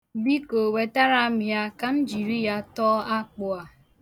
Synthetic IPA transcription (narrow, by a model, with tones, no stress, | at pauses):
bi˦ko˨we˨ta˦ɾa˦mja˦ka˦n̩˦d͡ʒi˨ɾi˦ja˦tɔː˦a˦k͡pʊ˨a˨